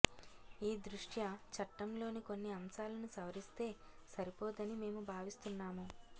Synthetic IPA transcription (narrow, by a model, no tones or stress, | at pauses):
iːd̪ɾuʂʈjɐt͡ʃɐʈːɐmlo̞ːniko̞nːiɐmsaːlɐnusɐʋɐɾist̪e̞ː | sɐɾipoːd̪ɐnime̞ːmubʱaːʋist̪unːaːmu